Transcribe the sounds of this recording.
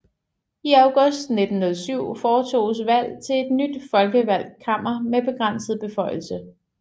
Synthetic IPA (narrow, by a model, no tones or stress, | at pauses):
iɑʊɡ̥ɔsd̥ne̝d̥n̩hoðˠsyʊ̰fɒːt͡sʰo̝̰ːsʋæl̰t͡sʰe̝le̝d̥nyd̥fɒ̽lɡ̥əʋæl̰kʰɑ̈m̰ɐmeb̥e̝ɡ̥ʁan̰səð̩ˠb̥e̝fɒ̽ɪ̰l̩sə